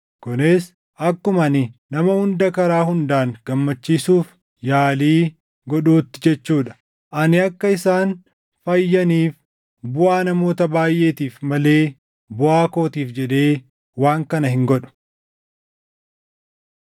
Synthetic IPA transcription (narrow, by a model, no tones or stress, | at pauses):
kʊneːs | ʔɐkːʊmɐnɪnɐmɐhʊnd̪ɐkɐɾaːɦʊnd̪aːŋɡ̥ɐmːɐt͡ʃːiːsuːf | jaːliː | ɡɔᶑuːt̪ːɪd͡ʒɛt͡ʃːuːᶑɐ̥ | ʔɐnɪɐkːɐɪsaːn | fɐjːɐniːf | bʊʔaːnɐmo̞ːt̪ɐbaːjʔe̞ːt̪iːfmɐle̞ː | bʊʔaːko̞ːt̪iːfd͡ʒɛᶑ̪e̞ː | waːŋkɐnɐhɪŋɡɔᶑʊ̥